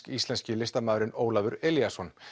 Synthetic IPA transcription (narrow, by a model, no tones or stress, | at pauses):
kist̪lɛnscɪlɪst̪amaːðɾɪnoːwlavʏɾɛljasɔn